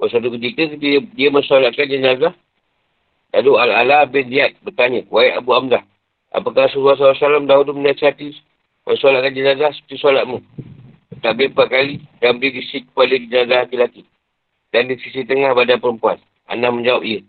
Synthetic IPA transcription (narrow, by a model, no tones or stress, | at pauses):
wasat̪ukət̪̬ikəkət̪idiəmənsalaʔ̪̚kand͡ʒənazah | daduala̰lahbɪnliat̪̚bət̪aɲəwaiʔa̰buamdah | a̰pakahsuɾuas̬aasalamdaɦuduməɲasiat̪i | mʔənsalaʔ̚kand͡ʒənazahsə̥pə̥t̪isalat̪̚mu | ət̪aʔbipakalidamɾiɡisikːə̥padəd͡ʒənazahakilaki | dandisisit̪əŋahbadanpəɾəmpuan | ʔa̰nahməɲd͡ʒawap̚iə